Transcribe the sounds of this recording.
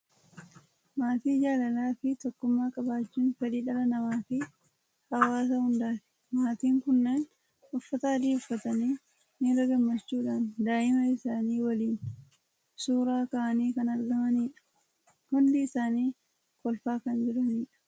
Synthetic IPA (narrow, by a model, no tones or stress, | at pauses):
maːt̪iːd͡ʒaːlɐlaːfɪt̪ɔkːʊmːaːkʼɐbaːt͡ʃːuːnfɛᶑiːᶑɐlɐnɐmaːfɪ | hɐwaːs̬ɐhʊnd̪aːfɪ̥ | maːt̪iːŋkʊnːeːn | ʊfːɐt̪aːd̪iːʊfːɐt̪ɐniː | niɾɐɡɐmːɐt͡ʃːuːᶑaːnd̪aːʔɪmɐɪsaːniːwɐliːn | suːɾaːkaʔɐniːkɐnɐɾɡɐmɐniːᶑɐ̥ | hʊnd̪ɪːsaːniː | kɔlfaːkɐnd͡ʒɪɾɐniːᶑɐ̥